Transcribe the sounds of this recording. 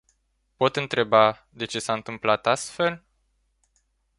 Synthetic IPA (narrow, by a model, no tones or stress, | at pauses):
po̞t̪ɨnt̪ɾe̞ba | d̪e̞t͡ʃe̞saɨnt̪ɨmplat̪ast̪fe̞l